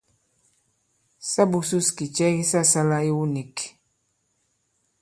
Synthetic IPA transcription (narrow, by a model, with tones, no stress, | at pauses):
sa˦bu˨su˦ski˨t͡ʃɛ˦ki˦sa˦sa˦la˦i˦wu˦ni˨k